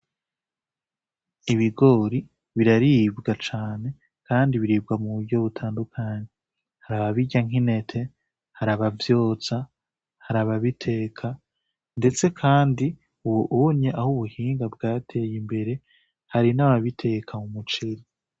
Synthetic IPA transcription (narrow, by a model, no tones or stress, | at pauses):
iβiɡo̞ːɾi | βiɾaɾibɡat͡ʃaːne̞ | kaːndiβiɾib̚ɡamuβuɟo̞βutʰaːndukʰaːɲe | haɾaβaβiɟaŋ̥ine̞tʰe̞ | haɾaβavjo̞ːt͡sa | haɾaβaβitʰe̞ːkʰa | nde̞t͡se̞kʰaːndi | uwoʔuoɲɲeʔahuβuhiːŋɡabɡaːtʰe̞ːjimbe̞ɾe̞ | haɾinaβaβitʰe̞ːkʰamumut͡ʃeɾi